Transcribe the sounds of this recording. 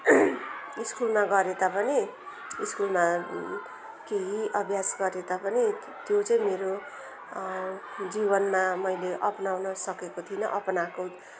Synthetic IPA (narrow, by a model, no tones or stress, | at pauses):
iskulmaɡʌɾed̪apʌni | iskulma | keɦiʔʌbʱjasɡʌɾet̪apʌni | t̪jot͡sʌĩmeɾo | d͡zibʌnmamʌjleʔʌpnawnʌsʌkekot̪ʰinʌʔʌpnako